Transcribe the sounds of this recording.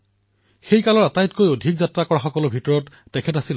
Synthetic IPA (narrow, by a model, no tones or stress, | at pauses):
xejkalɔɹatajtkojodʱikzatɹakɔɹaxɔkɔlʊbʱitɔɹɔtːɛkʰɛtasil